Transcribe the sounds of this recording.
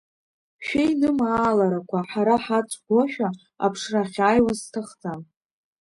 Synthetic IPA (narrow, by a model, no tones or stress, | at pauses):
ʃᶣejnɨmaːlaɾakʷʰaħaɾaħat͡sʷʰʼɡʷoʃᶣa | a̰pʰʂraχʲaːjwaztʰaχt͡sa